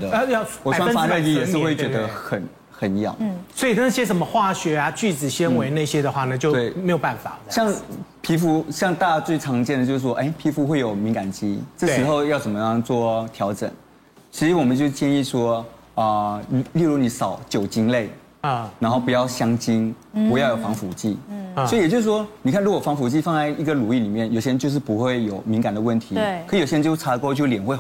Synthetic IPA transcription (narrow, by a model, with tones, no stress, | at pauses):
ə˧ə˧jwɔ˨˩˨wa˥a˥˧i˥˧˩ɛ˨˩ɻ̩˥˧xwe˥˩ɪt͡ɕɥɛ˧˥d̪ə˧xə˨˩n | xə˨˩˦n˧jɑ̰˨˩˦ʊ˥˩swɔ˧˥i˨˩na˥˩ɕjɛ˥ʂə˧˥nmə˦xwa˥˩ɕɥɛ˧˥a˧t͡ɕy˥˩t͡sɹ̩˨˩ɕɛ˥nwe˧ɪna˥˩ɪɕjɛ˦˥d̪ə˨xwa˥˩nə˨˩t͡ɕjo˥˧ʊwe˥˩ɪme˧˥ɪjʊpa˥˩nfa̰˨˩ɕjɑ˥˧ŋpʰi˧˥fu˧˥ɕjɑ˥˧ŋt̪a˥˧t͡swe˥˩ɪʈ͡ʂʰɑ˧˥ŋt͡ɕjɛ˥˩nd̪ə˩t͡ɕo˥˧ʂ̩˥˩wɔ˥ʔe˥˩ɪpʰi˧˥fu˧˥xwe˥˩ɪjo˨˩ʊmi˧˥ŋka˨˩nt͡ɕi˥ʈ͡ʂɤ˥˩ʂɻ̩˧˥xo˥˧ʊjɑ˥˩ʊʂə˨˩mə˦˥˧ŋt͡swɔ˥˩t̪ʰjɑ˧˥ʊʈ͡ʂə̰˨˩ŋ | t͡ɕʰi˧˥ʂɻ̩˧˥wɔ˨˩mə˦nt͡ɕjo˥˧ʊ˧t͡ɕjɛ˥˧ni˥˩ʂwɔ˥ | ə˧˥li˥˧ɻu˥˩ni˧˩sɑ˨˩˦ʊt͡ɕjo˨˩ʊt͡ɕi˥ŋle˥˩ɪ | na˧˥nxo˥˩ʊpu˧˦jɑ˥˩ʊɕjɑ˥ŋt͡ɕi˥npu˧˥jɑ˥˩ʊjo˨˩fɑ˧˥ŋfu˨˩˦t͡ɕi˥˩sɔ˧˥i˨t͡ɕjo˥˧ʊʂ̬ɻ̩˥˩ʂwɔ˥n˨˩kʰa˥˩nɻu˧˥kwɔ˨˩fɑ˧˥ŋfu˨˩t͡ɕi˥˧fɑ˥˧ŋt͡sa˥˩ɪi˧˥ɡə˨lu˨˩i˥˩li˨˩mjɛ˥˩njo˨˩ʊɕjɛ˥˧nt͡ɕjʂ̬ɻ̩˥˩pu˧˥xwe˥˩ɪjo˨˩ʊmi˧˥ŋka˨˩nd̪ə˦wə˥˩nt̪ʰi˨˥kʰi˧o˨˩jɛ˥˧˥t͡ɕo˥˧˥ʈ͡ʂʰa˧˥lə˧kɔ˥˧˥t͡ɕjljɛ˨˩nxwe˥˧